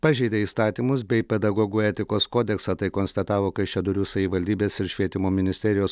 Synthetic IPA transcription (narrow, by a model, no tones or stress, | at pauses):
pɑːʒʲɛɪd̪ʲeːiːst̪ɑːt̪ʲiːmʊs̬bʲɛɪpʲɛd̪ɐɡoːɡuːɛt̪ʲɪkoːskoːd̪ʲɛksɑt̪ɐɪkoːnst̪ɐt̪ɑːʋoːkɐɪʃʲɛd̪ʊɾʲuːsɐʋʲiʋɐlʲd̪ʲiːbʲeːsɪɾʃʲʋʲiɛt̪ʲɪmoːmʲɪnʲɪsʲt̪ʲɛɾʲɪjoːs